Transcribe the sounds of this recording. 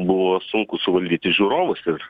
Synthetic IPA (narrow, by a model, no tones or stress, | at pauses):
bʊʋoːsʊŋkʊsʊʋɐlʲd̪ʲiːt̪ʲɪʒʲuːɾoːʋɐsɪr